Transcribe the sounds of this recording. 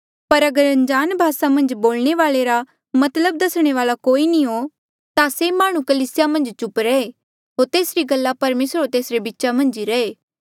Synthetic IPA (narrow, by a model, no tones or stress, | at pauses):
pɐɾɐɡəɾɐ̃nd͡ʒaːnbʱaːsamɐ̃nd͡ʒboːlɽ̃eʋaːleɾa | mɐt̪ləb̚d̪ɐsɽ̃eʋaːlakoːinĩɦo | t̪asemaːɽ̃ũkəliːsɪjamɐ̃nd͡ʒt͡ʃʊpɾɛe | ɦoːɾt̪eːsɾiɡɐlːapɐɾmeːsɾot̪eːsɾebitːʃamɐ̃nd͡ʒiɾɐeː